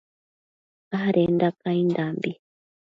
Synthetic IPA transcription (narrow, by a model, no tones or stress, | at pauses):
aɦaɾendakaindambi